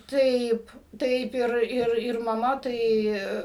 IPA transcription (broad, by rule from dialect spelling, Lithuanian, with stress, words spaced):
ˈtɐɪp ˈtɐɪp ˈɪr ˈɪr ɪr mɐˈmɐ ˈtɐɪ